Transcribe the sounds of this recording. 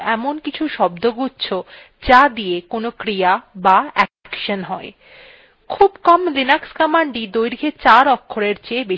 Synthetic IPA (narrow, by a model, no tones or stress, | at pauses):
ɛmonkit͡ɕʰuʃɔb̚d̪oɡutːɕʰo | d͡ʑad̪ijekonokɾijabaɛ | kʃonɦɔe | kʰubkɔmlinakskɔmaɳɖid̪ojɾiɡʰʱet͡ɕaɾɔkʰːoɾeɾt͡ɕebe